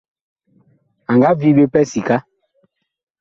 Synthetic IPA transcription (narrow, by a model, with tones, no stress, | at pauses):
a˨ŋɡa˦vi˦be˦pɛ˦si˨ka˦